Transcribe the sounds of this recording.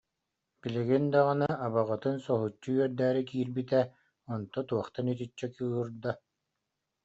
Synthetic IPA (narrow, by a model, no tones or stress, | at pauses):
biliɡind̪aʁɯnaːβaʁɯt̪ɯnsɔɦut͡ɕːuɥœɾd̪æːɾikiːɾbit̪ɛ | ɔnt̪ɔt̪uɔχt̪anit̪it͡ɕːɛkɯɦɯɾd̪a